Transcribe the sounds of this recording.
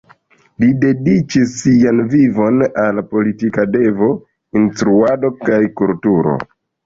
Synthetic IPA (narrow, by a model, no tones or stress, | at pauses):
lide̞dit͡ʃisːianvivo̞nalpo̞litikade̞vo̞ | instɾuado̞kajkultuɾo̞̰